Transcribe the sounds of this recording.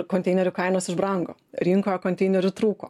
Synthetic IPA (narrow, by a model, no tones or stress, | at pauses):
koːnt̪ʲɛɪnʲɛɾʲʊkɐɪnoːsɪʒbɾɐŋɡo̰ːɾʲɪŋkoːokoːnʲt̪ʲɛɪnʲɛɾʲʊt̪ɾuːkoː